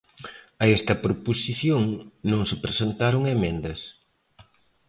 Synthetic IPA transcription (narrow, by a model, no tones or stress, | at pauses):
ɐest̪ɐpɾoposiθjoŋnõŋsɪpɾesent̪aɾoŋemẽnd̪ɐs